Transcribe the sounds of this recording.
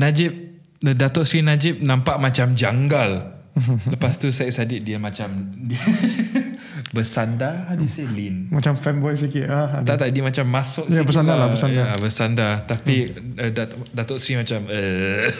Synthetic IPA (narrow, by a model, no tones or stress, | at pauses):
nad͡ʒɪp̚ | ədat̪ɔʔsɾinad͡ʒɪp̚nãmpaʔmat͡ʃamd͡ʒaŋɡal | ləpast̪usaʔ̚sadiʔ̚diəmãt͡ʃamdi | bəsandaadiselinmat͡ʃamfɛnbɔjs̬ikɪt̪at̪aʔt̪aʔdimat͡ʃamːãsʊʔjabəsandalaəsandabəsandat̪apiədadat̪ɔʔsɾimat͡ʃamə